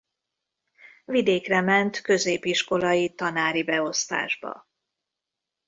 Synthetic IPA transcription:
vid̪eːkrɛmɛnt̪kø̞zeːpiʃko̞lɒjit̪ɒnaːɾibɛo̞st̪a̰ːʒbɒ̰

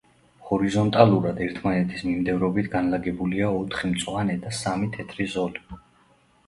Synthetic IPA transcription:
hɔɾizɔnt̪ʼaluɾad̪ɛɾt̪ʰmanɛt̪ʰismimd̪ɛvɾɔbit̪ʰɡanlaɡɛbuliaɔt̪ʰχimt̪sʼwanɛd̪asamit̪ʰɛt̪ʰɾizɔli

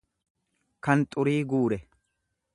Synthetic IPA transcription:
kɐnt̪ʼʊɾiːɡuːɾɛ

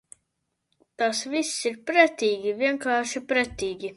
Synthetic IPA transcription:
t̪asvisːiɾpɾæt̪ʲiːɡʲivʲiɛŋkɑːʃipɾɛt̪ʲiːɡʲi

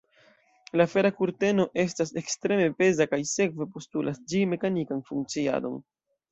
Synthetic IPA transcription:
laːfe̞ɾakuɾte̞no̞ʔe̞stase̞kstɾe̞me̞pe̞zakajse̞kve̞po̞stulʔasd͡ʒime̞kanikanfuŋk̚t͡sia̰do̞̰n

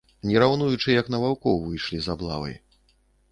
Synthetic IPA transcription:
nʲɛɾawn̪ujut͡ʂɨjɐknɐvawkɔwvɨjʂlʲizablˠa̰vɐ̰j

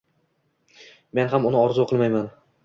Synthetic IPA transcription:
menɦamʊnɪɒɾzʊqʰɨlˠmajman

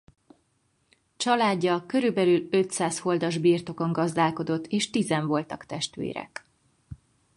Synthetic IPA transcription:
t͡ʃɒlaːɟːɒkøɾybɛlylø̞t̪saːsho̞ld̪ɒʒbiːrt̪o̞ko̞ŋɡɒzd̪aːlko̞d̪o̞t̪ːeːʃt̪izɛɱvo̞lt̪ɒkt̪ɛʃt̪ʋḛːɾɛ̰k

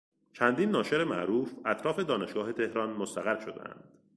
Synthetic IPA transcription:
t͡ʃʰænd̪iːnːɒːʃe̞ɾemæ̰ʔɾuːfæt̪ʰɾɒːfe̞d̪ɒːne̞ʃɡ̥ɒːɦe̞t̪ʰe̞hɾɒːnmost̪æɣæɾʃod̪ḛʔæ̰nd̪̥

